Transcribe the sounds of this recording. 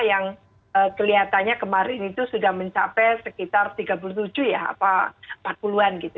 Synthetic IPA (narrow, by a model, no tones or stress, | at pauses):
jaŋ | əkəliɦat̪anɲakəmaɾɪnit̪usudahməɲt͡ʃapɛsəkit̪art̪iɡap̬uluht̪ud͡ʒuhjaa̰paəmpat̪̚puluanɡit̪u